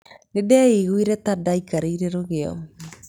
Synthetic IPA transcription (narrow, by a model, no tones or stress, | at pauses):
nedɛːeɣuiɾɛtadaikaɾeiɾeɾoɣeɔ̰